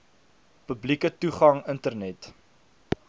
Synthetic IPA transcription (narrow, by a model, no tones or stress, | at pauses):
pəblikətuχɐŋəntərnɛt